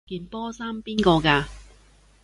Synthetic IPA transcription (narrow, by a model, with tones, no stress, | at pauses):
kiː˨˧npɔː˥saː˥mpiː˥nkɔː˧kaː˧